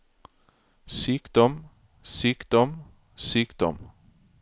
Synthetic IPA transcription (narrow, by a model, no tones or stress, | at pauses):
syːkd̪ɔm | syːkd̪ɔm | syːkd̪ɔ̰m